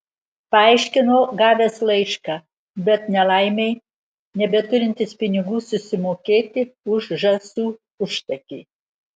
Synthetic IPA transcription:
pɐɐɪʃʲkʲɪnoːɡɑːʋʲeslˠɐɪʃkɑː | bʲɛt̪nʲɛlˠɐˑɪmʲɛɪ | nʲɛbʲɛt̪ʊɾʲɪnʲt̪ʲɪspʲɪnʲɪɡuːsʊsʲɪmoːkʲeːt̪ʲɪʊʒʒɐsuː | ʊʃt̪ɐkʲiː

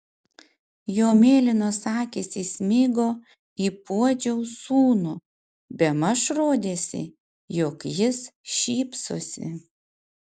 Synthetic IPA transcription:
joːmʲeːlʲɪnoːsɑːkʲeːsʲɪsʲmʲɪɡoː | iːpuɔd͡ʒʲɛʊsuːno | bʲɛmɐʃɾoːd̪ʲeːsʲɪ̰ | joːkjɪsʃʲiːpso̰sʲɪ̰

